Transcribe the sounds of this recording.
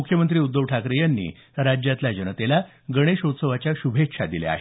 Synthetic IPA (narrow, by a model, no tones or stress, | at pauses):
ukʰjəmənt̪ɾiːud̪ːəʋʈʰakɾijanːḭː | ɾad͡ʑjat̪lad͡ʑənət̪ela | ɡəɽ̃eɕot̪səʋat͡ɕjaɕubʱekʂad̪ilḛa̰